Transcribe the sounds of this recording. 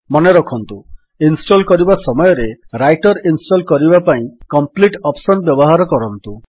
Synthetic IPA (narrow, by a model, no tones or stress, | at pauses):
mɔneɾɔkʰɔnt̪u | insʈɔlkɔɾibasɔmɔjɔɾeɾajʈɔɾinsʈɔlkɔɾibapaĩkɔmpliʈɔpsɔnbjɔbɔɦaɾɔkɔɾɔnt̪u